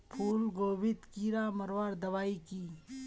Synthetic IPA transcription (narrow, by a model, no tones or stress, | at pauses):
pʰuːlɡoːbɪt̪kiːɾaːmɐɾʋaːɾd̪ɐʋaːikiː